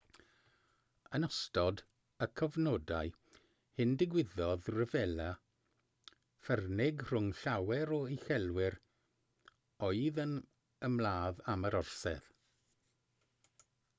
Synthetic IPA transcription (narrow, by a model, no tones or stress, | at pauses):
ənɔstɔd | əkʰəvnɔdaɨ | hɪndɪɡwɪðɔðrəvɛla | fɛrnɪɡr̥ʊŋɬawɛɾɔixɛlˠwɪr | ɔɨðən | əmlˠaːðaməɾɔrsɛ̰ð